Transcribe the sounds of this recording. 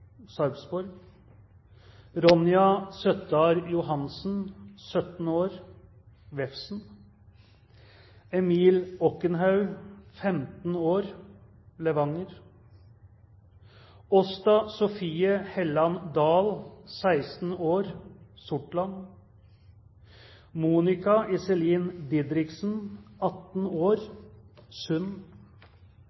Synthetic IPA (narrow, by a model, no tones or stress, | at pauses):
sɑɾbsbɔɾɡ | ɾɔnɪɑsœt̪əɑɾjʊɦɑnsn̩sœt̪n̩oːɾ | ʋɛfsn̩ | ɛmiːlɔkənɦɑʉfɛmt̪n̩oːɾ | ləʋɑŋəɾ | ɔst̪ɑsɔfiːəhɛlɑnd̪ɑːlsæɪst̪n̩oːɾsʊʈlɑn | muːnɪkɑʔɪsɛliːnd̪ɪd̪ɾɪksn̩ɑt̪n̩oːɾ | sʉn